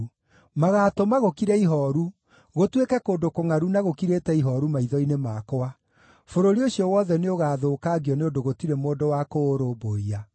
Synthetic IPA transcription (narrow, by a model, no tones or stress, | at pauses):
maɣaːtomaɣokiɾɛiɦɔɾu | ɣotwekɛkoːndokoŋaɾunaɣokiɾetɛiɦɔɾumaiðɔinemakoa | foɾoɾioɕiɔwɔðɛneoɣaːðoːkaːɣiɔneodoɣotiɾemoːdowakoːɾoboia